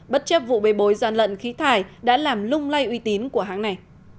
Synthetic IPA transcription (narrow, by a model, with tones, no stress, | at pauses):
ɓə˦˥t̚t͡ɕə˦˥p̚vṵ˧˨ɓe˨˦ɓo˨˦jzaː˧˩nlə̰˧˨nxi˨˦t̪ʰaː˨˩jɗa̰ː˧˥laː˨˩mlʊ˧ŋ͡mla˧jʔwi˧t̪i˨˦nku˧˩əɦaː˨˦ŋna˨˩j